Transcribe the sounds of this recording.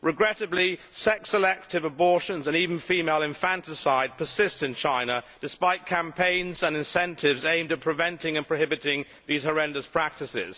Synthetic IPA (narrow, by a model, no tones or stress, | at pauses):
ɹʔɨɡɹɛɾɨblisɛksəlɛk̚tʰɨvəbɔɹʃə̃nzə̃nivn̩fimeɪlˠɨ̃ɱfæ̃ntɪsaɪd̚pʰə˞sɪstsɨ̃nt͡ʃʰãɪ̃nəd̥ɨspaɪt̚kʰæ̃mpʰẽɪ̃nzə̃nɨ̃nsɛ̃ntʰɪvzẽɪ̃mdɨt̚pʰɹ̥ɨvɛ̃ntɪ̃ŋɨ̃npʰɹ̥əhɪbɨtɪ̃ŋ | ðiz̥hə˞ɛ̃ndəspʰɹ̥æk̚tɨsɪ̰z̥